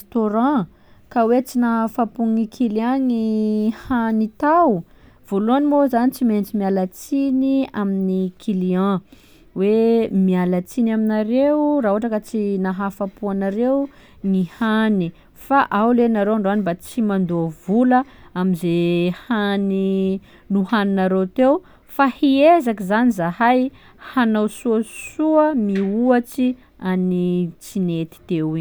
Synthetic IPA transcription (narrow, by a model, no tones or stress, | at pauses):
st̪oɾɑ̃ | kawet͡sinaɦafapuŋikʰiliãŋihanit̪aw | v̥oluanimozanit͡siment͡simialat͡siniaminikʰiliã | wemialat͡sinaminaɾewraɦoaʈ͡ʂakət͡sinaɦafapuanaɾew | ŋihani | faʔawlenaɾoaɳɖ͡ʐoanibat͡simand̪uavulə | amizehani | nuhaninaɾewt̪ew | fahiezakizanizahaj | hanowsuəsuəmiuat͡ʃi | anit͡sinet̪i̥t̪ewi